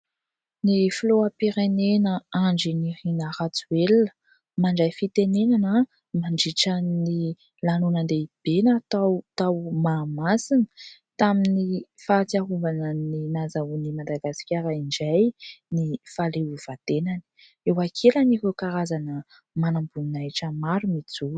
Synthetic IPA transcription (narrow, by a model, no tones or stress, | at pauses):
nifloapiɾenenəaɳɖ͡ʐinirinəɾat͡suelnə̥ | maɳɖ͡ʐajfit̪enenanə | maɳɖ͡ʐiʈ͡ʂəni | lanunənd̪eb̥enat̪awt̪awmaːmasinə̥t̪aminifaːt͡siaɦuvanəninazaunimad̪aɡasi̥kʲaɾaiɳd͡ʒajnifalewiv̥at̪enani̥ | ewakʰelanikekaɾazanə | manambunnajʈ͡ʂəmaɾumit͡su